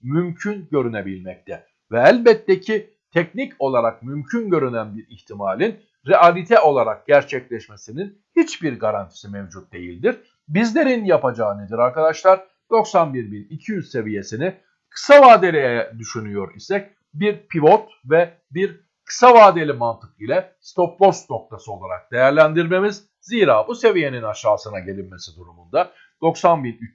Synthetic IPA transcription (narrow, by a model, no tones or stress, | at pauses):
mymcʰynɟø̞ɾynebilʲmɛc̚t̪ʰɛ | vɛælʲbɛt̪ːecʰi | t̪ʰɛcnico̞lˠaɾak̚mymcʰynɟø̞ɾynænbiɾiçt̪ʰimaːlʲin | ɾɛalʲit̪ʰɛo̞lˠaɾak̚ɟ̥æɾt͡ʃʰɛclʲɛʃmesinin | hit͡ʃbiɾɡaɾant̪ʰi̥simɛvd͡ʒut̪̚d̪e̞jḭlʲd̪iɾ | bizlʲe̞ɾinjapad͡ʒaːɯned̪iɾaɾkad̪aʃlˠaɾ | d̪̥o̞ksanbiɾbinicʰijyzse̞vije̞sini | kʰɯ̥savaːd̪elʲɛd̪yʃynyjo̞ɾisɛc | biɾpʰivo̞t̪ | vɛ | biɾ | kʰɯ̥savaːd̪elʲimant̪ʰɯ̥kilʲɛst̪ʰo̞p̚b̪ˠo̞st̪no̞k̚t̪ʰasɯo̞lˠaɾa̰k̚d̪̥e̞jæɾlʲænd̪iɾme̞miz | ziːɾaːbuse̞vije̞ninaʃaːsɯnaɟe̞lʲinme̞sid̪uɾumund̪a | d̪̥o̞ksanbinyt͡ʃ